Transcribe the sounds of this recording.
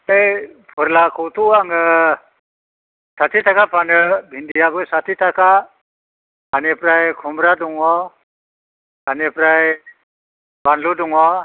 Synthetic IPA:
ejpʰɯɾlakʰɔwt̪ʰuaŋɯ | sʰatʰitʰakapʰanɯbʱindijabɯsatʰitʰakʰa | hanepɾajkʰumɾaduŋɔ | anepɾaj | banluduŋɔ

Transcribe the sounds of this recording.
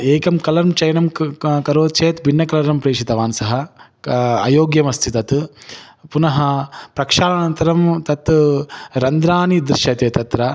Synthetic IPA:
eːkɐmkɐlɐɾmt͡ʃɐjnɐmkɐɾoːt͡ʃeːt̪bʱinːɐkɐlɐɾɐmpɾeːʂit̪ɐʋaːnsɐɦɐ | ɐ̰joːɡjɐmɐst̪ʰit̪ɐt̪ | punɐɦɐpɾɐkʂaːlɐnɐnt̪ɐɾɐmt̪ɐt̪ | ɾɐnd̪ɾaːnid̪ɾiʃjɐt̪eːt̪ɐt̪ɾɐ

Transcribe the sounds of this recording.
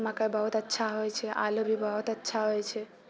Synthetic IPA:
mãkajbəɦut̪ətːʃʰaɦojt͡ʃʰeʔa̰lobʱibʱəɦut̪ətːʃʰaɦojt͡ʃʰe

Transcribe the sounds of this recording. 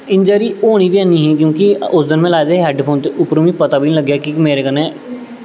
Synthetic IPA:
ɪ̃ɲd͡ʒəɾioːñibʱiãːniɦɛ̃kjõːkiʊsd̪ɪnmẽlaːd̪eɦɛːɖpʰoːnt̪eʊpɾəːmipət̪abʱinĩləɡːjakimeːɾekənẽ

